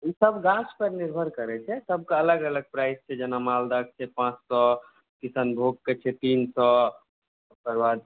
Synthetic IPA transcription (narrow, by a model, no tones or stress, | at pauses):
isəbɡat͡ʃpəɾniɾbʱəɾkəɾɛt͡ʃʰɛsəb̚kaələɡələɡ̚pɾaɪst͡ʃʰɛd͡ʒɛnamald̪ək̚t͡ʃʰɛpãt͡ʃsɔ | kisənbʱoɡ̚ket͡ʃʰɛt̪iːnsɔ | pəɾbad̪